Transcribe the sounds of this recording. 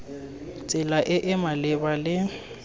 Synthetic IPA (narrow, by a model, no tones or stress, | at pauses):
t͡sʼɪlaʔɪʔɪmalɪbalɪ